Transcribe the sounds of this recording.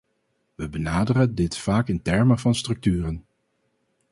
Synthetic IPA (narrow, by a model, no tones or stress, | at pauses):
ʋəbənaːdərədɪtfaːkɪntɛɹməvɑnstrɵk̚tyːrən